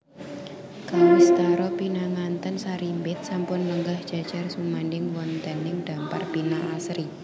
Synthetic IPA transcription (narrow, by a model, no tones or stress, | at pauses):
kalist̪aɾɔpinaŋant̪ənsaɾimbɪt̪̚sampʊnləŋɡahd̥ʒ̥a̤d̥ʒ̥a̤rsumandɪŋwɔnt̪anɪŋd̥amparpinaʔasɾi